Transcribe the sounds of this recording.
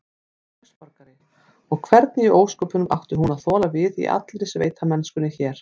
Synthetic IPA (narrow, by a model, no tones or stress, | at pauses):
ʏspaɾkaɾɪ | ɔɣkʰvɛɾt̪nɪiʔoːwskɔːpʏnʏmʔa̰wht̪ʏɦunaðθɔːlavɪðḭʔa̰t̪lɾɪsvḛːjt̪ʰamɛnskʏnɪçɛːɾ̥